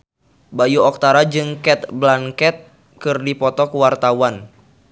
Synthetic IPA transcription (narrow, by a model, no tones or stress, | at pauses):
bajuɔk̚t̪aɾad͡ʒɨŋkɛt̪̚blaŋkɛt̪̚ | kɨrdipɔt̪ɔkəwart̪awan